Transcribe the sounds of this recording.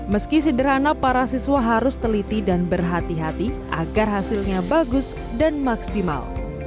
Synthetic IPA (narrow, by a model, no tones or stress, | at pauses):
məskisədəɾanapaɾasiswaɦaɾʊst̪əlit̪idanbərɦat̪iɦat̪iʔa̰ɡarɦasɪlɲabaɡʊs | danmaksima̰l